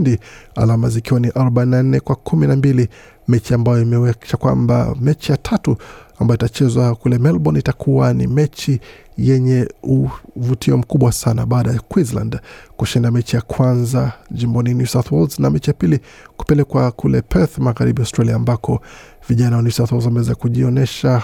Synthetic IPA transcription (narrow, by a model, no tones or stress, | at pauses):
ndia̰lamazikiwaniʔaɾɔɓaininan̩nɛkwakʰuminambili | mɛt͡ʃiambajɔimɛwɛt͡ʃakwa̰mba̰mɛt͡ʃijatʰatuambajɔitat͡ʃɛzwakulɛmɛlɓɔnitakʰuwanḭmɛt͡ʃi | jɛɲɛuvutʰiɔm̩kuɓwasanaɓaːɗajakwizla̰ndkuʃindamɛt͡ʃijakʰwanzad͡ʒimbɔninjusawθwɔldznamɛt͡ʃijapili | ku̥pɛlɛkwakulɛpʰɛθmaɣaɾiɓiaʊstɾaliaːmbakɔ | viʄanawanjusawθwɔlzamɛwɛzakuʄiɔnɛʃa